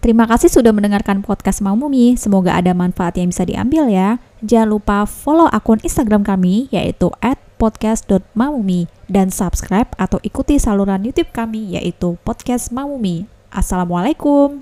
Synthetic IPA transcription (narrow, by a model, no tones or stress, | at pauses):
t̪əɾimakasɪhsudahməndəŋarkanpɔt̪̚kasmamumisəmoɡa̰ʔa̰damanfaat̪jaŋbisadḭʔa̰mbɪlja | d͡ʒanlupafoloʔakɔninst̪aɡɾamkamija̰ʔḭt̪uʔɛt̪̚pɔt̪̚kasdɔt̪̚mamumidansapskɾajp̚at̪awʔikut̪isaluɾanjut̪ʊp̚kamija̰ʔit̪upɔd̪̚kɛsmamumi | ʔa̰salamwalajkum